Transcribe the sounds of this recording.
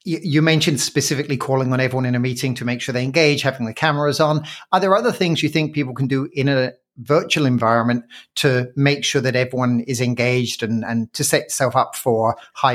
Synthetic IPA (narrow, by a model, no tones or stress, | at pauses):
jɨjɨmɛ̃nʃɨ̃nd̥spɨsɪfɨklikʰɔːlˠɪ̃ŋə̃ñɛvɹiwʌ̃ñɨ̃nɨmiɾɪ̃ŋtʰɨmeɪkʃʊɹðeɪɨ̃nɡeɪd̥ʒ̥havɪ̃ŋðɨkʰæmə˞əzn̩ə˞ðə˞ʌðə˞θɪ̃ŋzjɨθɪ̃ŋk̚pʰipl̩ˠkʰə̃n̩dəɪ̃nɨ | vɜˑ˞t͡ʃul̩ˠɨ̃ɱvaɪɹə̃nmɨ̃ntʰɨmeɪkʃʊɹðɨɾɛvɹiwʌ̃nɪzɨ̃nɡeɪd͡ʒdɨ̃nə̃ntʰɨsɛʔə̥sɛlˠfʌpfə˞haɪ